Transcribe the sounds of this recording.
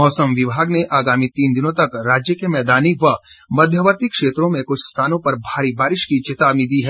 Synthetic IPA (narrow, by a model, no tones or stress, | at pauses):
ɔːsəmʋɪbʱaːɡneʔaːɡaːmit̪iːnd̪ɪnõt̪ɐkɾaːd͡ʒjəkemɛːd̪aːniʋɐmɐd̪ʱjəʋəɾt̪ɪkʃeːt̪ɾõmẽkʊt͡ʃʰst̪ʰaːnõpɐɾbʱaːɾibaːɾɪʃkit͡ʃɪt̪aːbnid̪iɦɛː